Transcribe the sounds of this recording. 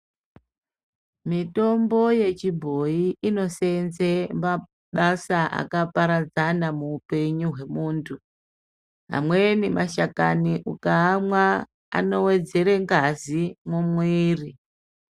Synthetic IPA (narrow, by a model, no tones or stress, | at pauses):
mito̞mbo̞je̞t͡ʃibʱo̞iʔino̞senzema | ɓasaʔa̰kapaɾad͡zanamuːpe̞ɲuɦwe̞muːntʰu | ɦa̰mwenimaʃakaniʔukaːmwa | a̰no̞we̞d͡ze̞ɾeŋɡazimumwiːri